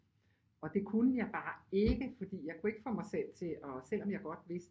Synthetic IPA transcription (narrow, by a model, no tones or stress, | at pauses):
ɒ̽d̥e̝kʰunəjɑ̈ɪb̥ɑ̈ːe̝ɡ̥əfɒ̽d̥ḭːjɑ̈ɪkʰue̝ɡ̥ə̥fɒmɑ̈ɪsel̰t͡sʰe̝ɒ̽sel̰ɒ̽mjɑ̈ɪɡ̥ɒ̽d̥ʋe̝sd̥